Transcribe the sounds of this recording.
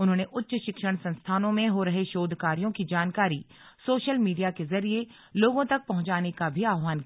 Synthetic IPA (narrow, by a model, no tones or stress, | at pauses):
ʊnɦõːneʔʊtːʃʃɪkʃəɽ̃sɐ̃nst̪ʰaːnõmẽɦoɾɐɦeʃoːd̪ʱkaːɾijõkid͡ʒaːnkaːɾi | soːʃəlmiːɖijakezɐɾie | loːɡõt̪ɐk̚pɐɦʊ̃ɲt͡ʃaːnekabʱiaːʋaːnk